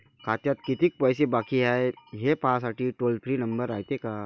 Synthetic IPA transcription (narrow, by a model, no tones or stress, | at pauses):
kʰat̪jat̪kit̪ik̚pəjsebakiɦaeɦepas̬aʈiʈolpʰɾiːnəmbəɾaɦjt̪eka